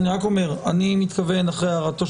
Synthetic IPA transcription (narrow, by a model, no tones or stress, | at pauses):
niʁako̞me̞ʁanimit̪kave̞naχʁejaʁat̪o̞